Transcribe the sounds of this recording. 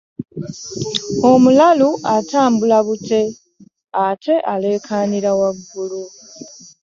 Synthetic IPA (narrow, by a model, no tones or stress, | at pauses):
o̞mulaluatʰaːmbulaβutʰe̞ | atʰe̞ʔale̞ːkʰaːniɾawaɡːulu